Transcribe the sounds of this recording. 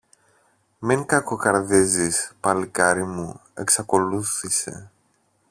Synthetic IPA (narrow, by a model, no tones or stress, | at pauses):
miŋkɐkokɐɾðizispɐlikɐɾimue̞̰ksɐko̞luθise̞̰